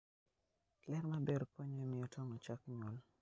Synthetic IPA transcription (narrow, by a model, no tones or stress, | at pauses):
lɛɾmabeɾpoɲomɪɔtʰɔmɔt͡ʃakɲwol